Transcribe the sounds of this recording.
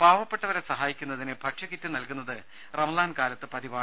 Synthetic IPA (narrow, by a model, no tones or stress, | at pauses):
paːʋɐpːe̞ʈːɐʋɐɾesɐɦaːjikʲːunːɐðinebʱɐkʂɐkitːɨnɐlkunːɐðɨ | rɐmɐlaːnkaːlɐt̪ːɨpɐðiʋaːɳ